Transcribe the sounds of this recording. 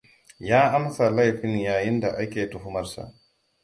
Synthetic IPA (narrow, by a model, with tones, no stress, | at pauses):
jaː˦ʔa˦msala˦jfi˦njaː˨ji˦ndaʔa˦kʲeː˨tuhu˦maɾsa̰